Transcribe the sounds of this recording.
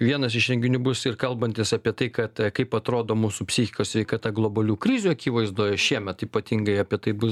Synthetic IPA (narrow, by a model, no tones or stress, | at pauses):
ʋʲiɛnɐs̬ɪʃɾʲɛŋʲɡʲɪnʲubʊsɪrkɐlˠbɐnʲt̪ʲɪsɐːpʲiɛt̪ɐɪkɐt̪kɐɪpɐt̪ɾoːd̪oːmuːsupʲsʲɪxʲɪkoːsʲʋʲɛɪkɑːt̪ɐɡlˠoːbɐlʲuːkɾʲɪzʲuɐkʲiːʋɐɪzd̪oːjɛʃʲiɛmʲɛt̪iːpɐt̪ʲiŋɡɐɪɐpʲiɛt̪ɐɪbʊs